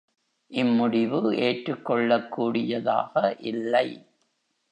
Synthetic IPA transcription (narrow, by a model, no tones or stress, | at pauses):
ʔɪmːʊɽɪʋɯeːʈɾɯkːɔɭːɐkːuːɽɪjɐða̰ːɣɐʔɪlːɐɪ